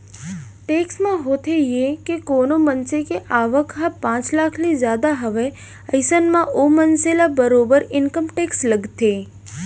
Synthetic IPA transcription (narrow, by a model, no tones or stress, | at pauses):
ʈeksmãɦot̪ʰejekekonomənsekeʔaʋəkʰɦãpãt͡ʃlakʰlizjad̪aɦəʋe | əjsənmãʔomənselabəɾobəɾɪnkəmʈeksləɡt̪ʰe